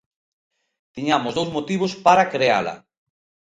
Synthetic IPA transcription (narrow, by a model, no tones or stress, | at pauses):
t̪iɲamʊzðowzmot̪iβ̞ospaɾakɾea̰la̰